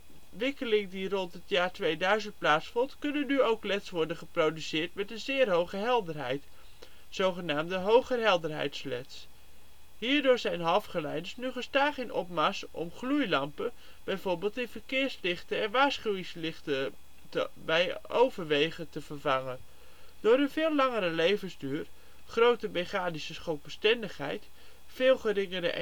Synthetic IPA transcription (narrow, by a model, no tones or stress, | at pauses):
ʋɪkəlɪŋdirɔntɦətjaːɹtʋejdœɥzənt̚plaːtsfɔntkɵnənːyowklɛtsʋɔɹdənχəprowdysɪːɹtmɛtənzɪːɹɦowχəɦɛlˠdəɹɦɛ̰jt | z̥owχənaːmdəɦowχəɹɦɛlˠdəɹɦɛ̰jtslɛ̰ts | ɦiːɹdʊːɹzɛjnɦɑlˠfχəlɛjdəsnyχəstaːχɪnɔ̰p̚mɑsɔ̰mχlujlɑmpə | b̥ɛjvoɹbɪːlˠtɪnvəɹkɪːɹslɪχtəɛnʋaːɹsχywɪŋslɪχtə | təbɛjʔowvəɹʋejχətəvəɹvɑŋə | d̥ʊːɾənvɪːlːɑŋəɾəlejvənzdyːr | χrowtəbeχaːdisəsχot̚bəstɛndəχɦɛ̰jt | fɪːlˠχəɾɪŋəɾə̰ʔ